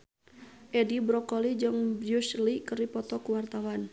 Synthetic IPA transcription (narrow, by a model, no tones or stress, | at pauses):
ʔɛdibɾɔkɔlid͡ʒɨŋbuslikəripɔt̪ɔkuwart̪awan